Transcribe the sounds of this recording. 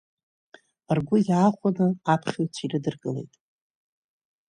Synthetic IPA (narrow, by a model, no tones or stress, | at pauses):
arɡʷʊjaːχʷanɨapʰχʲot͡sʷʰirɨdɨrɡʼɨle̞̰jtʼ